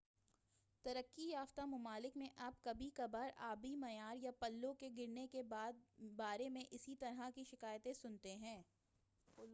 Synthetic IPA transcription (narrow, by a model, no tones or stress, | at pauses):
t̪ɐɾəkːijaːft̪amʊmaːlɪkmẽʔaːpkɐbʱikɐbəɾaːbimɐjaːɾjapɐlːõkeɡɪɾnekebaːd̪̚baːɾemẽʔɪsit̪ɐɾɦakiʃɪkaːjt̪ẽsʊnt̪eɦɛ̃ː